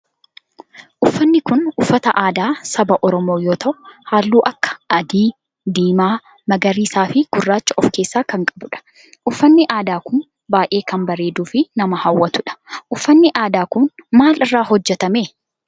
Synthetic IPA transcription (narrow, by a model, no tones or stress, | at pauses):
ʔʊfːɐnːɪkʊnʊfːɐt̪ɐʔaːd̪aːsɐbɐʔɔɾɔmoːjoːt̪ɐʔʊhaːlːuːʔɐkːɐ̥ɐd̪iː | d̪iːmaː | mɐɡɐɾiːsaːfɪɡ̥ʊrːaːt͡ʃːɐʔɔfke̞ːsːaːkɐŋkʼɐ̥bʊᶑɐ̥ | ʔʊfːɐnːɪʔaːd̪aːkʊn | baːʔe̞ːkɐnbɐɾeːd̪uːfɪnɐmɐhɐwːɐt̪ʊᶑɐ̥ʔʊfːɐnːɪʔaːd̪aːkʊnmaːlɪrːaːɦɔd͡ʒːɛt̪ɐmeː